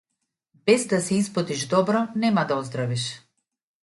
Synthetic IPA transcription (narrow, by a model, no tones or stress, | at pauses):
bɛzd̪asɛispɔt̪iʒd̪ɔbɾɔnɛmad̪aɔzd̪ɾaviʃ